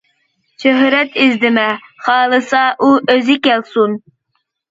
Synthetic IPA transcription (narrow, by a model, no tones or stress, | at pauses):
ʃøɦɾɛt̪ʰizd̪ɪmɛχɑːlˠɨsɑʔuʔøzɪkʲɛlsun